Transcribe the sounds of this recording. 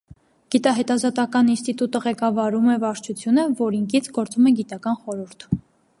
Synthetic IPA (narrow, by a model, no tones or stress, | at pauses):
ɡ̥it̪ɑɦɛt̪ɑzɑt̪ɑkɑninst̪it̪ut̪əʁɛkɑvɑɾumɛvɑɾt͡ʃʰut͡sʰjunəvɔɾiŋkʰit͡sʰɡɔɾt͡sumɛɡit̪ɑkɑnχɔɾuɾt̪ʰ